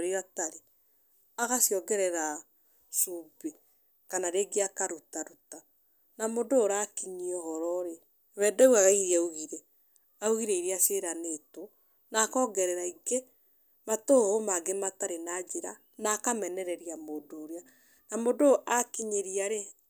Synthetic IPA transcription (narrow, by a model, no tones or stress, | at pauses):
ɾeɾataɾe | aɣasiɔɡɛɾɛɾa | sube | kanaɾeɡeakaɾutaɾuta | namodoɾakiɲiɔhɔɾɔɾe | βɛːdɛwaɣaɣiɾɛuɣiɾɛ | auɣiɾeiɾeaseɾaneto | nakɔːɡɛɾɛɾaiɡe | matoɣomaɡemataɾenad͡ʒeɾa | nakamɛnɛɾɛɾiamodoːɾea | namodoʔakiɲeɾiaɾe